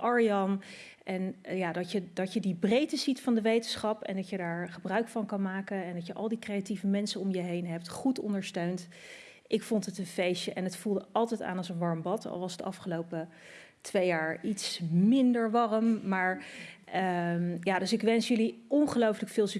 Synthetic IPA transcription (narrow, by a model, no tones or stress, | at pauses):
ɑɹijɑn | ʔɛnjaːdɑcjədɑtjədibrejtəzitfɑndəʋejtənsχɑpɛ̰ndɑtjədaːɹχəbrœɥkfɑnkɑnmaːkənɛndɑtjəʔɑ̰lˠdikrejativəmɛnsənʊmjəɦejnɦɛp̚tχutɔ̰ndəɹstøɥnt | ʔɪkfɔntətənfejʃəʔɛnətfulˠdəʔɑlˠtɛjta̰ːnɑlˠsənʋɑɹmbɑtɑ̰lˠʋɑsdəʔɑfχəlowpə | tʋejaːɹitsmɪndəɹʋɑrəmːaːɹ | jaːdɵsɪkʋɛnsjɵliɔnχəlowfələkfɪːlˠs